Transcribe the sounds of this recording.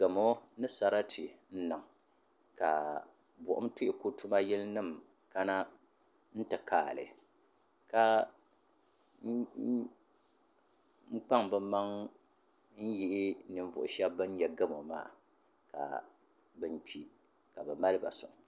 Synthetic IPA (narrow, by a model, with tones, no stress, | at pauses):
ɡɨ˨mo˦nɨ˦sa˨ɾa˦tʰɪ˨n̩˦nɨ˨ŋ | ka˨ | bʊ̰˨ʔʊ̰˦mtɪ˦ʔɪ˨ko˦tu˦ma˦jɛ˦lnɨ˦˨m | ka˦na˦ | n̩˦tɨ˨kaː˨lɨ̰˨ | ka˦ | ŋ͡m̩˦k͡pa˦ŋbɨ˦ma˦ŋ | n̩˦ji˦ʔɪ˦nɨ˨ɱ˦vʊ̰˨ʔʊ˨ʃɛ˦bːɨ˦n˦jɛ˨ɡɨ˦mo˨ma̰ː˦˨ | ka̰˨ | bɨ˨npi˨ | ka˨bɨ˨ma˦lɨ˦ba̰˨sʊ̰˨ŋ˨